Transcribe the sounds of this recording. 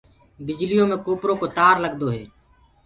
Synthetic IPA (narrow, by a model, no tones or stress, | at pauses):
bɪd͡ʒlijõːmẽːkoːpɾõːkoːt̪aːɾləɡ̚d̪oːɦeː